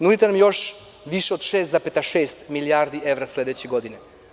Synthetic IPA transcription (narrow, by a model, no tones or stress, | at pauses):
nud̪it̪enamjo̞ʃ | ʋiʃeod̪ʃeːst̪zapet̪aʃeːst̪miliaːɾd̪iʔeʋɾasled̪et͡ɕeɡod̪ine